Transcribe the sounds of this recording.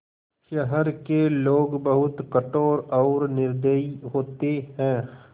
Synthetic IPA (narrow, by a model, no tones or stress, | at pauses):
ʃɛɦəɾkeloːɡbɐɦʊt̪kəʈoːɾɔːɾnɪɾd̪əiɦoːt̪eɦɛ̃ː